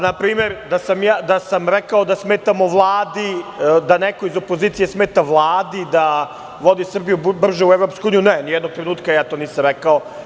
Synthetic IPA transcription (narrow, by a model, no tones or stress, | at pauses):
napɾiːmeɾd̪asamjaːd̪asamɾekaod̪asmeːt̪amo̞ʋlˠaːd̪id̪anekoizo̞poziːt̪sijesmeːt̪aʋlˠaːd̪id̪a | ʋo̞d̪isr̩bijubr̩ʒeueʋɾopskouuːnijunenijɛd̪noɡ̚t̪ɾenuːt̪kajaːt̪o̞ːniːsamɾekao